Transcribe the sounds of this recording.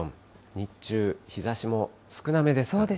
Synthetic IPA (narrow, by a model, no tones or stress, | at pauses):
õn | ɲ̟it͡ɕɨːçizaɕimo̞ | sɨ̥kɯ̟name̞d̪e̞soːd̪e